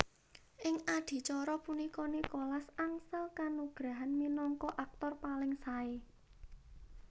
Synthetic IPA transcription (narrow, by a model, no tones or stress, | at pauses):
ʔɪŋad̪̥i̤t͡ʃɔɾɔpunikɔnikɔlasaŋsəlkanuɡ̥ɾa̤ɦanminɔŋkɔʔak̚t̪ɔrpalɪŋsae